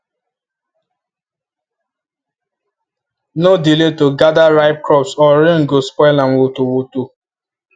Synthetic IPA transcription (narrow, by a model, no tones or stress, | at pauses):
nodiletoɡadaɾaɪp̚kɾɔpsɔɾĩŋ̩ɡospɔɪlãnwotowoto